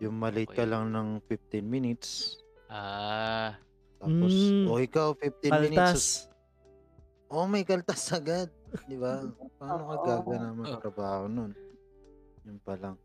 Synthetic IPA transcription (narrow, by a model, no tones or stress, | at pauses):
jʊŋmɐlɪt̪̚kɐlaŋnɐŋfɪf̚t̪ɪnmɪnɪt̪s | ʔaː | t̪aːposʔʔo̞ʔɪkawfɪf̚t̪ɪnmmins | ʔo̞mɐjkɐlt̪asɐɡad̪̚d̪ɪbapaːnokɐɡaːɡɐnamɐŋɐkɐt̪ɾɐbaːhonon | jʊnpɐlaŋ